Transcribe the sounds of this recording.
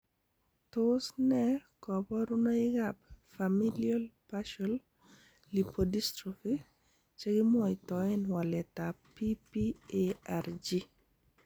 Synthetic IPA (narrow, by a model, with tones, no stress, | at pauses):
tosnɛkɔ˨bɔ˦ɾu˦no˦ɪ˦ɡapfami˦lia˦lpaʃɔl | li˨podi˦stɾiki | t͡ʃe˦ɡɪ˦mɔ˦ɪ˨tɔɪ˦nwa˨lɛ˨tapipi˦eaɾd͡ʒi˦